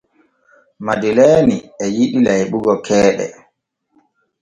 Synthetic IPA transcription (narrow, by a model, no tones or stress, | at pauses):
madilɛniɛjiɗilajɓuɡɔkʰɛːɗɛ̰